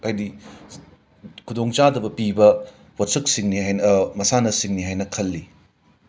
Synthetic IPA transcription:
ajdi | kʰudoŋt͡ʃadɐbɐpibɐ | wɐtsɐk̚siŋniɦajnɐmɐsanɐsiŋniɦajnɐkʰɐlːi

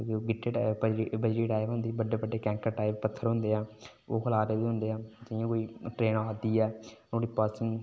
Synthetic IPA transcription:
d͡ʒoɡɪʈːeːʈaːəibəd͡ʒɾiːʈaːɪʋɦʊ̃nd̪iːbəɖeːbəɖeːkɛ̃ːŋkəɾʈaːɪbpət̪ʰːəɾɦʊ̃nd̪eːɛː | oːkʰəlaːɾeːbiːɦʊ̃nd̪eːɛːd͡ʒɪjãːkoːiːʈɾeːnaːd̪iːɛːnõːɽiːpəːsɪ̃ŋ

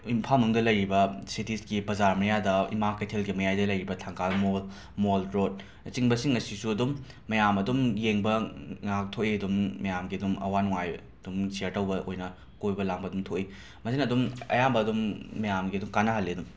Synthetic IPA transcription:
impʰalnuŋdɐlɐjɾibɐsitisɡipɾɐzaɾmɐjadɐḭmakɐjtʰelɡimɐjajdɐlɐjɾibɐtʰaŋkʰalmol | moldɾot̚ | nɐt͡ʃiŋbɐsiŋːɐsisuɐdumː | ɐjamɐdumjeŋbɐŋak̚tʰoʔiɐdumːɐjamɡiɐdumɐ̰wanuŋajɐd̥umsiɐɾtɐwbɐʔo̰jnɐ | kojbɐlaŋbɐdumtʰoʔi | mɐsinɐdumɐ̰jambɐːdumːɐjamɡiɐdumkanɐɦɐlːiɐdum

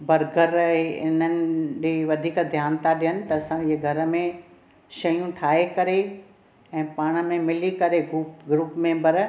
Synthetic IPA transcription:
bɐɾɡəɾɦeɪnənɪ̆ɗeːʋɐd̪ʱiːkd̪ʱjaːnt̪aɗijənɪ̆t̪ɐɐsãiɦɡʱɐɾmẽ | ʃɐjũʈʰaːɦekɐɾe | ɛ̃ːpaːɽ̃ə̆mẽmɪlikɐɾeɡuɡɾuːpmẽbɐɾ

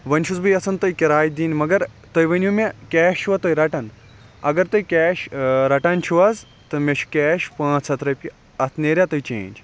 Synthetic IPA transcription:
ʋɐnʲʃuzbɨjɐsɐnt̪ɐjkʲiɾaːj̚d̪iːnmɐɡɐɾt̪ɐjʋɐnʲjumʲekʲɛːʃt͡ʃʰuʋɐt̪ɐjɾɐʈɐn | ɐ̰ɡɐɾt̪ɐjkʲɛːʃɾɐʈɐnʲt͡ʃʰuʋɐz | t̪ɨmʲeʃʰu̥kʲɛːʃpãːt͡sʰɐt̪ɾɐpʲi | ɐt̪ʰneːɾʲjat̪ɐjt͡ʃḛ̃ːnʲd͡ʒ

